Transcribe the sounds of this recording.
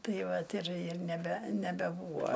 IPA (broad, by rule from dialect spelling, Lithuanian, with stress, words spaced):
ˈtɐɪ ˈʋɐt ɪr ɪr nʲɛˈbʲɛ nʲɛbʲɛˈbuːʋɐ